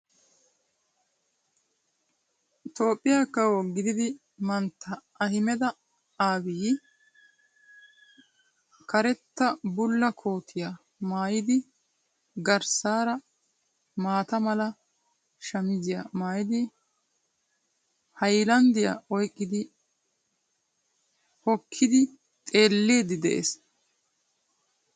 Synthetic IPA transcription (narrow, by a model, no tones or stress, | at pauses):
t̪o̞ːpʼːɪjaːkːɐwɔɡɪd̪ɪd̪ɪ | mɐnt̪ːɐː | hɪmɛd̪ɐ | aːbiː | kɐɾɛt̪ːɐbʊlːɐkʰo̞ːt̪ʰɪja | maːjɪd̪ɪ | ɡɐɾsaːɾɐ | maːt̪ɐmɐlɐ | ʃɐmɪzɪjamaːjɪd̪ɪ | hɐjlɐnd̪ɪjɐ̰ʔɔjkʼːɪd̪ɪ | hɔkʰːɪd̪ɪ | t̪ʼe̞ːlːeːd̪ɪd̪ɛ̰ʔḛs